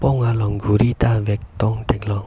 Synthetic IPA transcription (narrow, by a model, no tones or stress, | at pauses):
pɔŋalɔŋɡuɾit̪avɛk̚t̪ɔŋɖ̥ɛklɔŋ